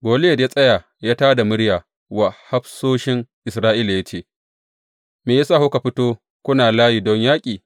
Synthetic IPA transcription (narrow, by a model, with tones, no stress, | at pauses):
ɡʷoː˨le˦jɐ˨dja˦sʼɐ˦jaː˨ | jaː˦taː˦da˨mʊ˦ɽjaː˨ | wa˨ha˦ɸsoː˦ʃɪ˦ŋʔɪ˨sɾaː˦ʔiː˦la˨ja˦t͡ʃeː˦˨ | meː˨ja˦saː˦˨ho˦ka˨ɸɪ˦toː˦ | kʷʊ˦naː˨laː˦ji˨dɔ˦ɲjaː˦kʲʼiː˨